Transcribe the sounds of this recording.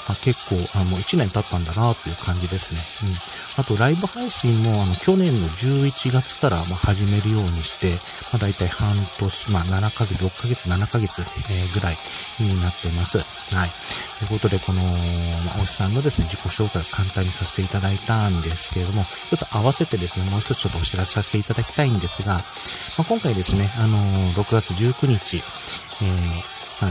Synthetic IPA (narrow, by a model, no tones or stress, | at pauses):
make̞kːo̞ːʔanooit͡ɕinẽnt̪at̪ːãnd̪anat̪ːo̞iɯ̟ːkʰãɲ̟d͡ʑid̪e̞sɨne̞ɯ̟̃ɴat̪o̞ɾaibɯ̟haiɕĩmːo̞ano̞kʲo̞nẽ̞nːo̞d͡ʑɨːit͡ɕiɡat͡sɨ̥kaɾa̰mahaʑime̞ɾɯ̟jo̞ːɲ̟iɕi̥t̪e̞mad̪ait̪aihãnt̪o̞ɕi̥mananakaɡe̞t͡sɨɾo̞kːaɡe̞t͡sɨnanakaɡe̞t͡sɨeɡɯ̟ɾaiɲ̟inat̪ːe̞masɨ | hait̪oɯ̟ko̞t̪o̞d̪e̞ko̞no̞ma̰ʔoi̥sãnːo̞d̪e̞sɨne̞d͡ʑiko̞ɕo̞ːkaiokãnt̪ãɲ̟ːisaset̪e̞it̪ad̪ait̪ãnd̪e̞sɨ̥ke̞ɾed̪o̞mo̞ | t͡ɕo̞t̪ːo̞ʔaβase̞t̪e̞d̪e̞sɨne̞moːst̪oo̥t͡ʃo̞t̪ːoːɕiɾase̥sase̥t̪e̞it̪ad̪akʲi̥t̪aĩnd̪e̞sɨɡamakõ̞ŋkaid̪e̞sɨne̞ano̞ɾo̞kɯ̟ɡat͡sɨʑɨːkɯ̟ɲ̟it͡ɕi | eːha